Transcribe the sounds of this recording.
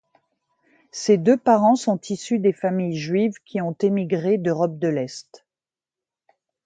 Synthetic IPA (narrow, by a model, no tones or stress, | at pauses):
sed̪øpaʁɑ̃sɔ̃t̪isyd̪efamijʒɥivkʲʰiɔ̃t̪emiɡʁed̪øʁɔp̚d̪əlɛst̪